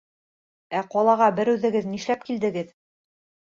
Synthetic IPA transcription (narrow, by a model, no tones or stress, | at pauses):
æqɒlˠɑʁɑbɘɾʉðɘ̆ɡɘðniʃlæp̚kild̪ɘ̆ɡɘð